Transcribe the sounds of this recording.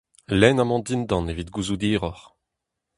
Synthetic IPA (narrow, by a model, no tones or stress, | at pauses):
lɛnamɑ̃d̪ind̪ɑ̃nevit̪ɡuzud̪iːʁɔʁ